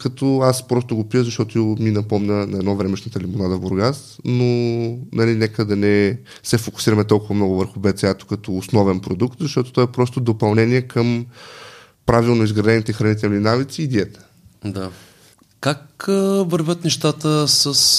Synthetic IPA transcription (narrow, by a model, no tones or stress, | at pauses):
kɐt̪ɔaspɾɔst̪ʊɡopijəzɐʃt̪ɔt̪ominɐpɔmnʲənɐɛd̪nɔvɾɛmɛʃnət̪əlimonad̪əvboɾɡasnonɐlinɛkəd̪ɐnɛ | sɛfokʊ̥siɾɐmɛt̪ɔlˠkʊvɐmnɔɡʊvəɾxʊbɛt̪sɛat̪o̥kɐt̪ɔːsnɔvɛnpɾod̪ukt̪zɐʃt̪ɔt̪o̥t̪ɔɛpɾɔst̪ʊd̪opɐlˠnɛnʲiɛkʰəm | pɾavilˠnoizɡɾɐd̪ɛnit̪ɛxɾɐnit̪ɛlʲninavit̪siːd̪iɛt̪ə̥ | d̪a | kakvɐɾvʲət̪nɛʃt̪at̪əsəs